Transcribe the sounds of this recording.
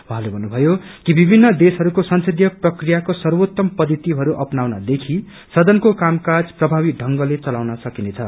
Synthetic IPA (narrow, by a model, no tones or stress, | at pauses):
wuɦãlebʱʌnːubʱʌjokibibʱinːʌd̪esɦʌɾukosʌnsed̪ʱjʌprʌkrijakosʌrwot̪ːʌmpʌd̪ʱit̪iɦʌɾuʔʌpnawnʌd̪ekʰi | sʌd̪ʌnkokamkad͡zprʌbʱaβiɖʱʌŋɡʌlet͡sʌlawnʌsʌkinet͡sʰʌ